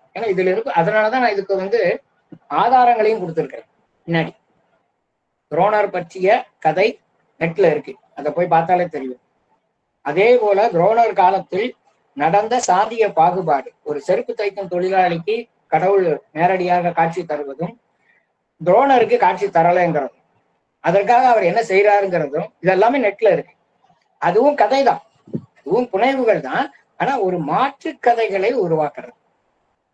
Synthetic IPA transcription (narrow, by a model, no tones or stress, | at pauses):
eːnaːɪðɪlɪɾɯkːɯɐðɐnaːɭɐt̪ãːñːɪðɯkːɯʋɐnd̪ɯ | aːðaːɾɐŋɡɐɭɐjɯmkɔɽɯt̪ːɪɾɯkːɪɾɐ | pɪnːaːɽi | d̪ɾoːnɐɾpɐʈrɪjɐkɐðɐɪ | nɛʈːɯlɐɪɾɯkːɯ | ɐðɐpːoːjpaːɾt̪aːleːt̪ɛɾɪjɯm | ʔɐðeːpoːlɐd̪ɪɾoːnɐɾkaːlɐt̪ːɪl | nɐɽɐnd̪ɐsaːnd̪ɪjɐpaːɣɯpaːɽɯɔɾɯsɛɾɯpːɯt̪ːɐɪkːɯmt̪ɔɭɪlaːɭɪkːɯ | kɐɽɐʋɯɭneːɾɐɽɪjaːɣɐkaːʈ̚t͡ʃit̪ːɐɾɯʋɐðɯm | d̪ɪɾoːnɐɾɯkːɯkaːʈ̚t͡ʃit̪ːɐɾɐlɐɛnɡɪɾɐðɯ | ɐðɐrk̬aːɣɐːʋɐɾɛnːɐsɛjɾaːɾɯŋɡɪɾɐðɯmɪðɛlːaːmeːnɛʈ̚ːɪlɐɪɾɯkːɯ | ɐðɯʋɯmkɐðɐɪt̪ãː | ɐðɯʋɯmpʊɳɐɪʋɯɣɐɭt̪ãː | aːnaːɔɾɯmaːʈrɯkːɐðɐɪɣɐɭɐɪʊɾʊʋaːkɪrɐðɯ